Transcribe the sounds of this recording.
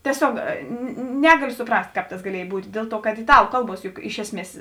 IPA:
tʲiɛˈsʲoːk ˈnʲæːɡɐlʲʊ sʊˈprɐsʲtʲ ˈkɑːp tɐs ɡɐˈlʲiɛj ˈbuːtʲ ˈdʲeːlˠ ˌtuɔ kɐt ɪˈtɑːlˠʊ ˈkɐlˠˌbuɔs jʊk ˈɪʃ ɛsʲˌmʲiɛs

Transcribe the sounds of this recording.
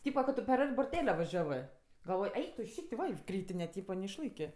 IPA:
ˈtʲiːpɐ kɐ ˈtʊ pʲɛr ˈɐrʲtʲ bʊrʲˈtʲæːlʲɛ ʋɐˈʒʲæːʋɜ ɡɐlˠˈʋoːj ˈɛɪk tʊ ˈʃʲiːkʲtʲ ˈʋɐ ɪ ˈkrʲiːtʲɪnʲɛ ˈtʲiːpɐ nʲɛɪʃˈlˠɐɪkʲeː

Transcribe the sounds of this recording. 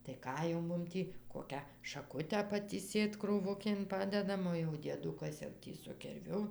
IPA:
tɐɪ ˈkɑː jɛʊ ˈmʊm tʲiː ˈkoːkʲæː ʃɐˈkʊtʲæː pɐtʲiːˈsʲeːt kruːˈʋʊkʲeːn ˈpɑːdʲɛdɐm oː jɛʊ dʲiɛˈdʊkɐs jɛʊ ˈtʲiː sʊ kʲɪrʲˈʋʲʊ

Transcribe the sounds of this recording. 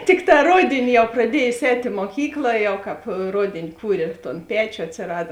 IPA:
ˈtʲɪkˌtɑː ˈroːdʲeːnʲɪ ˈjɛʊ prɐˈdʲiɛjoːs ˈɛːtʲ ɪ muɔˈkʲiːklˠɐ ˈjɛʊ ˈkɑːpˈroːdʲeːnʲɪ ˈkuːrʲeː ˈtoːn ˈpʲæːt͡ʃʲoː ɐtʲsʲɪˈrɑːdɐ

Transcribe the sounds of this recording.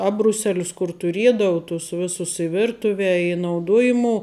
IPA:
ˈɑːbrʊˌsʲæːlʲʊs kʊr tʊˈrʲiɛdɐʊ tʊs ˈʋʲɪsʊs ɪ ˈʋʲɪrtʊʋʲɛ ɪ nɐʊˈduɔjɪmuɔ

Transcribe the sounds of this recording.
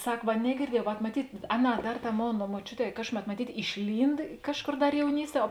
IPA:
ˈsɐk ʋɐ nʲɛɡʲɪrʲˈdʲiɛjɛʊ ʋɐt mɐˈtʲiːtʲ ˈɑːˌnɑː ˈdɐr ˈtɑː ˈmoːnɐ moːˈt͡ʃʲʊˌtʲɛː ˈkɑːʃkʊˌmʲɛt mɐˈtʲiːtʲ ɪʃʲˈlʲiːnt ˈkɑːʃˌkoːr ˈdɐr jɛʊˈnʲiːsʲˌtʲiɛ oː

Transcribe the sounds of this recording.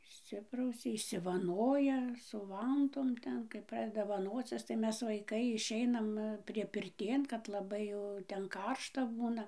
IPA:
ɪʃʲˈsʲɪprɐʊsʲɛ ɪʃʲsʲɪʋɐˈnoːjɛ sʊ ˈʋɐntoːm ˈtʲɛn kɐɪp ˈprɑːdʲɛdɐ ʋɐˈnoːt͡sʲɪs tɐɪ ˈmʲɛs ʋɐɪˈkɐɪ ɪʃʲˈɛɪnɐm pʲrʲiɛpʲɪrʲˈtʲeːn kɐt lˠɐˈbɐɪ jɛʊ ˈtʲɛn ˈkɐrʃtɐ ˈbuːnɐ

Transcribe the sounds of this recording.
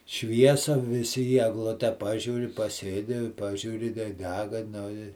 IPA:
ˈʃʲʋʲiɛsɐ ʋʲɪˈsʲɪ iː ɛɡˈlˠʊtʲɛ ˈpɑːʒʲuːrʲɪ pɐˈsʲeːdʲɪ ˈpɑːʒʲuːrʲɪ tɐɪ ˈdʲæːɡɐ ˈnʊ ɪ

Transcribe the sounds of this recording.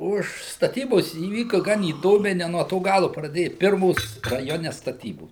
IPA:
ˈʊʃ stɐˈtʲiːboːs iːˈʋʲiːkɐ ˈɡɐn iːˈdoːmʲɛɪ nʲɛ nuɔ ˈtoː ˈɡɑːlˠʊ prɐˈdʲeːjɛ ˈpʲɪrmoːs rɐˈjoːnʲɛ stɐˈtʲiːboːs

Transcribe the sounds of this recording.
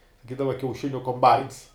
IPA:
sɐˈkʲiːdɐʋɐ kʲɛʊˈʃʲɪnʲʊ koːmˈbɐɪns

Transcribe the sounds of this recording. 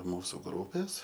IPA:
ˈmuːsʊ ˈɡruːpʲeːs

